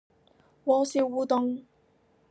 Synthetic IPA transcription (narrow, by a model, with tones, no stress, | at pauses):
wɔː˧siː˧wwuː˨˧t̪ʊ˧ŋ